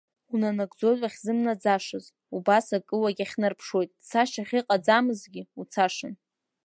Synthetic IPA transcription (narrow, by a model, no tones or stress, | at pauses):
unanaɡʷd͡zo̞zʼaχʲzɨmnad͡zaʂɨz | ubasakʼɨwaɡʲaχʲnɨrpʰʂwo̞jtʼsaʃaχʲiqʼad͡zamɨzɡʲiut͡sʰaʂɨn